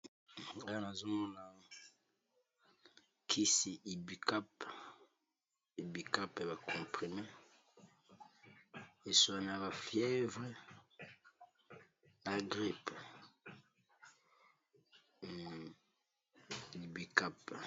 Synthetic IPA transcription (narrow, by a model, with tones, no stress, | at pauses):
a˦a˦na˨zo˦mɔ˦na˨ | kʰi˦si˨ʔi˨bi˨ka˦p | i˨bi˨ka˦pe˨ba˨kʰɔ̃˨pʁi˨me˦ | e˨su˨a˨n˨a˨ba˨fjɛ˦vʁe˦ | na˨ɡʁi˦p | i˨bi˨ka˦˨p